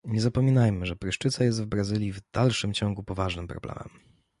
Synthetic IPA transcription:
ɲɛzapɔmʲinajmɘʐɛpɾɘʂt͡ʂɘt̪sajɛst̪vbɾazɘlʲjivd̪̥alʂɘmt͡ɕɔŋɡupɔvaʐnɘmpɾɔb̥lɛ̰mɛ̰m

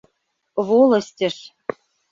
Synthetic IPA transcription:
βolˠɤ̆sʲtʲɘ̆ʃ

